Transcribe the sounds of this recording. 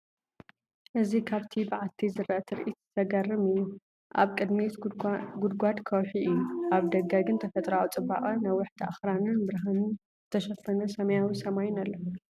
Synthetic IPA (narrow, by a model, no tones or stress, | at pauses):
ʔɨzikʰaβt̪ʰibɨʕalt̪ʰizɨɾʔɐt̪ʰɨɾʔit̪zt̪ʰɐɡɐrɨmɨjːu | ʔa̰βkʼɨd̪mit̪ɡʊd̪ɡʷad̪kʰɐwħiʔɨjːuʔaβd̪ɐɡaɡɨnt̪ʰɐfɐt̪ʼɾawut͡sʼɨba̰χʼɐnɐwʊħt̪ʰaʔa̰xɾanɨnbɨɾɦanɨn | zɨt̪ʰɐʃɐfɐnɐsɐmɐjawisɐmajnalːɐ